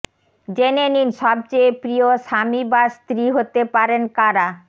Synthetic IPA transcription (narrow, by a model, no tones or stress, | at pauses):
d͡ʑeneninʃɔb̚t͡ɕepɾioʃamibast̪ɾiɦot̪epaɾenkaɾa